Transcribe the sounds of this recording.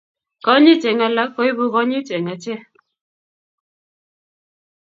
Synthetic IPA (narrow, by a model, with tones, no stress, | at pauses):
kɔ˦ɲɪ˦t͡ʃɛ˨ŋa˨la˦kɔ˦i˦bu˦kɔ˦ɲɪ˦t͡ʃɛ˨ŋa˨t͡ʃɛ˦